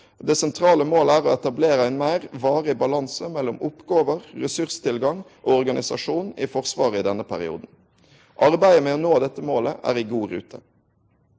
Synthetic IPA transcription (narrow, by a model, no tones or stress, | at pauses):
d̪eːsɛnt̪ʰʁɑːləmoːləæːʁoɛt̪ɑbleːɾəæɪnmæɪʁʋɑːʁɪbɑlɑnsəmɛlːɔmʊpɡoːʋəʁːɛsʉʁst̪ʰɪlɡɑŋ | ʔoːɔʁɡɑnɪsɑ̰ʂuːnifɔʁsʋɑːʁəɪd̪ɛnːəpʰæɾɪ̰ṵːd̪n̩ | ʔɑʁbæɪəmeːɔnoːd̪ɛt̪ːəmoːləʔæ̰ːʁɪɡuːʁʉ̰ːt̪ʰə̰